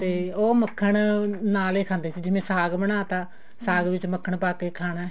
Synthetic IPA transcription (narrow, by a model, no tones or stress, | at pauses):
t̪eːoːməkʰːəɳnaːleːkʰãːnd̪eːt͡ʃːd͡ʒɪmẽːsaːɡbəɳaːt̪aː | saːɡʋɪt͡ʃməkʰːəɳpaːkeːkʰaːnɛː